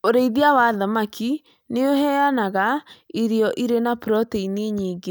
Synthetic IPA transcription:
oɾeiðiawaðamakʰi | neohɛanaɣaiɾeɔʔiɾenapɾɔtɛineɲiːɡe

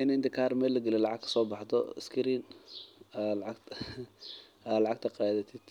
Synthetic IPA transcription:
ʔɪnɛnd̪ɪkʰaːrmɛːlɐɡɐlɛlɑʕɑɡkʰɐ̥sɔːbɑħt̪ʰɔ̰ɪ̰skʰɾiːn | alʕɑɡ | ʔaːlɑʕɑɡ̚t̪ʰɐqɑːðɐt̪ʰɪd̪̥

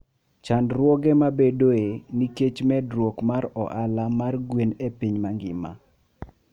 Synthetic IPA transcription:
t͡ʃandɾwɔɡɛmabedoeniket͡ʃmɛdɾwɔkmaɾɔ̰ʔalamarɡwenepiɲmaŋɡɪ̰ma̰

